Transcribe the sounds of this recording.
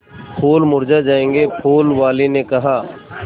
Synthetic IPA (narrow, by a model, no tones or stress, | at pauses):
pʰoːlmʊɾd͡ʒad͡ʒaːẽːŋɡepʰoːlʋaːlinekɐɦaː